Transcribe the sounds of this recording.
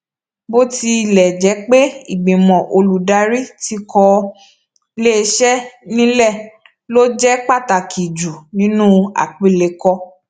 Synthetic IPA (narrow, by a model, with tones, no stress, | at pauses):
bo˦ti˧˨lɛ˨d͡ʒɛ˨˦k͡pe˦i˨ɡ͡bĩ˨mɔ̃˨ʔo˧lu˨da˨˦ɾi˦ti˧kʰɔ˧ | le˦˧˦ʃɛ˦nĩ˦lɛ˦˨ | lo˦d͡ʒɛ˦k͡pa˦˨ta˨kʰi˨d͡ʒu˨nĩ˦nũ˦a̰˨k͡pi˨˦˨le˧˦kɔ˧